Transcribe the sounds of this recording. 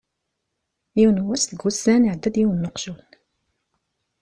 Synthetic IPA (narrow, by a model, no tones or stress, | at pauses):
juwnwæst̪ɡusænʕd̪ːæd̪jiwnːəqʒun